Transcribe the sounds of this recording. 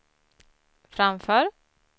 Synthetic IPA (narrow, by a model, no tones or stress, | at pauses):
fɾamfœːɾ